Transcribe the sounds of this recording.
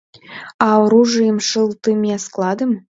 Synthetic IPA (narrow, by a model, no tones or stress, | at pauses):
ɑoɾuʐɨjəmʂɨlˠt̪ɨmʲiɑsklˠɑd̪ɨm